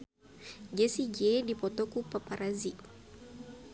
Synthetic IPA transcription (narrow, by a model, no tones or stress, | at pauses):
d͡ʒɛsid͡ʒɛdipɔt̪ɔkupapaɾazi